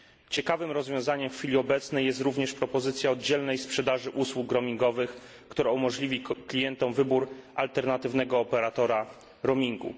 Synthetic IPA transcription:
t͡ɕɛkavɘmɾɔzvʲjɔ̃w̃zaɲɛmffʲilʲiɔbɛt̪snɛjːɛst̪ɾuvɲɛʂpɾɔpɔzɘt̪sʲjaɔd̪̚d͡ʑɛlnɛjspʂɛd̪aʐɘʔuswukːɾɔmʲiŋɡɔvɘx | kt̪uɾaumɔʐlʲivʲiklʲijɛnt̪ɔmvɘbuɾalt̪ɛɾnat̪ɘvnɛɡɔːpɛɾat̪ɔɾa | ɾɔmʲiŋɡṵ

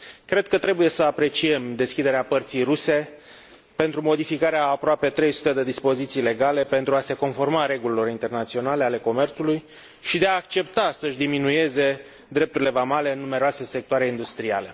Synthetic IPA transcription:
kɾe̞d̪̥̚kət̪ɾe̞buje̞səapɾe̞t͡ʃie̞md̪e̞skʲid̪e̞ɾeapərt̪sijruse̞ | pe̞nt̪ɾumo̞d̪ifikaɾeaːpɾoape̞t̪ɾe̞jsu̥t̪e̞d̪ed̪ispo̞zit̪sijle̞ɡale̞pe̞nt̪ɾuase̞ko̞nfo̞rmaɾe̞ɡulilo̞ɾint̪e̞rnat̪sio̞nale̞ale̞ko̞me̞rt̪suluj | ʃid̪eaːkt͡ʃe̞pt̪asəʃd̪iminuje̞ze̞ | d̪ɾe̞p̚t̪uɾile̞vamale̞ɨnːume̞ɾoase̞se̞k̚t̪oaɾe̞ind̪ust̪ɾia̰le̞

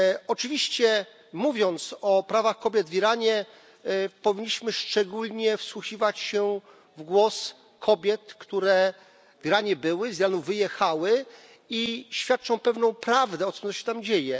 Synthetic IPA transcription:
ɔt͡ʂɘvʲiɕt͡ɕɛ | muvʲjɔnt̪sɔpɾavaxkɔbʲjɛd̪vʲiɾaɲɛ | pɔvʲiɲːiɕmɘʂt͡ʂɛɡulɲɛfswuxivat͡ɕɕɛ | vɡwɔs | kʰɔbʲjɛt̪kt̪uɾɛ | vʲiɾaɲɛbɘwɘzʲjɾanuvɘjɛxawɘ | iɕfʲjat̪̚t͡ʂɔ̃w̃pɛvnɔ̃w̃pɾavd̪ɛɔt̪sɔɔɕɛ̥t̪amd͡ʑejɛ

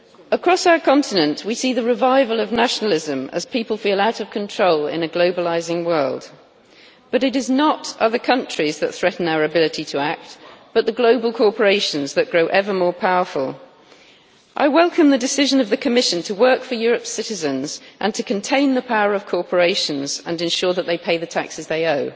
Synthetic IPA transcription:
əkʰɹ̥ɒsaʊə˞kʰɑ̃ntʰɨnə̃nʔwisiðɨɹɪvaɪvəlˠʌvnaʃnl̩ˠɪzə̃mə̰z̥pʰipəlˠfilˠaʊɾʌv̥kʰə̃ntʰɹ̥oʊlɪ̰̃nɨɡloʊbəlaɪzɪ̃ŋwɜ˞lˠd | b̥ʌɾɨɾɪznəɾʔʌðə˞kʰʌ̃nt͡ʃɹ̥izðət̪̚θɹ̥ɛʔn̩aʊə˞ɹɨbɪlˠɨtʰitʰəak̚t̚b̥ʌt̪̚ðəɡloʊbəlˠkʰɔɹpə˞eɪʃɨ̃nzðɨʔ̚ɡ̥ɹoʊʔɛvə˞mɔɹpʰaʊəfə̰lˠ | ʔa̰ɪwɛlˠkʰə̃mðɨdɨsɪʒə̃nʌvðɨkʰɨmɪʃɨ̃ntʰəwɜˑ˞kfə˞jɔɹɨpsɪɾɨzɨ̃nzʔə̃ntʰɨkʰɨ̃ntʰẽɪ̃nðəpʰaʊə˞ʌv̥kʰɔɹpʰə˞eɪʃə̃nzə̃nɨ̃nʃɔɹðət̪ʔ̪̚ðeɪpʰeɪðɨtʰa̰ksɨzðeɪoʊ

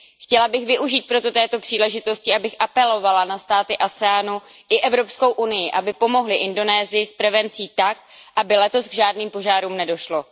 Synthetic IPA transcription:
xcɛlabɪxvɪʔuʒiːt̪̚pɾot̪o̞t̪ɛːt̪o̞pr̝̥iːlɛʒɪt̪o̞scɪʔabɪxʔapɛlo̞valanast̪aːt̪ɪʔasɛaːnuʔɪʔɛvɾo̞psko̞wʔunɪjɪʔabɪpo̞mo̞ɦlɪʔɪndo̞nɛːzɪjɪspɾɛvɛnt͡siːt̪ak̚ʔabɪlɛt̪o̞sɡʒaːdniːmpo̞ʒaːɾuːmnɛdo̞ʃlo̞

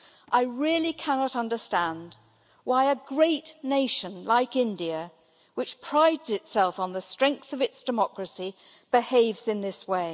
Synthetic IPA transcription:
ʔaɪɹɪlˠikʰænɑɾʌ̃ndə˞stæ̃nd | waɪɨɡɹeɪtⁿneɪʃɨ̃nlaɪkɪ̃ndiɨ | wɨt͡ʃpʰɹ̥aɪdz̥ɨtsɛlˠfn̩ðɨstɹ̥ɛ̃ŋk̚θʌvɨtsd̥ɨmɑkɹɨsi | b̥ɨheɪvzɨ̃nðɪsweɪ

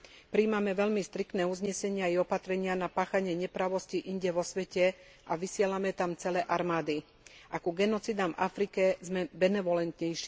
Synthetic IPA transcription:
pɾiːmamɛʋɛʎmist̪ɾik̚t̪nɛːuzɲɛsɛɲɪaiɔpat̪ɾɛɲɪanapaːxaɲɪɛɲɛpɾaʋɔsciʔiɲɟɛʋɔsʋɛcɛ | ʔaʋisɪɛlamɛt̪amt͡sɛlɛːʔaɾmaːd̪i | ʔakuɡɛnɔt͡sid̪amvafɾikɛzmɛbɛnɛʋɔlɛnt̪ɲɛjʃ

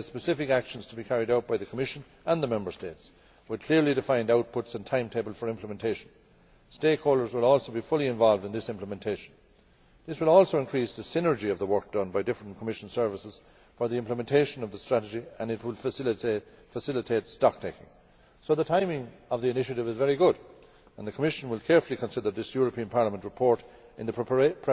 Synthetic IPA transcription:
əspɨsɪfɪkækʃə̃n̩z̥tʰəbikʰæɹiɾaʊt̚b̥aɪðɨkʰəmɪʃə̃n | ə̃nðəmɛ̃mbə˞steɪts | wəd̚kʰl̥ɪɹlidɨfãɪ̃ndaʊt̚pʰʊtsə̃ntʰãɪ̃mtʰeɪbəl̩ˠfə˞ɪ̃mpʰləmɛ̃ntʰeɪʃn̩ | steɪkhoʊlˠdə˞zwəlˠɔlˠsoʊbifʊlˠiɨ̃ɱvɑlˠvdɨ̃nðɪsɪ̃mpləmɛ̃ntʰeɪʃn̩ | ðɪswəlˠɔlˠsoʊɨ̃nkʰɹ̥isðəsɪ̃nə˞d͡ʒiʌvðəwɜ˞k̚d̥ʌ̃nbaɪdɪfɹə̃nkʰəmɪʃə̃n̩sɜ˞vəsəz̥ | fə˞ðiɪ̃mpləmɛ̃ntʰeɪʃə̃nʌvðəstɹ̥æɾɨd͡ʒiə̃nɨt̚wɪlˠ | fəsɪlɨtʰeɪtstɑk̚tʰeɪkɪ̰̃ŋ | soʊðətʰãɪ̃mɪ̃ŋʌvðiɨnɪʃɨɾɨvɨzvɛɹiɡʊɾ | ə̃nðɨkʰəmɪʃə̃nwɪlˠkʰɛɹfəl̩ˠikʰə̃nsɪðə˞ðɪsjɔɹəpʰĩə̃npʰɑɹləmə̃nʔɹəpʰɔɹɾ | ɪ̃nðəpʰ

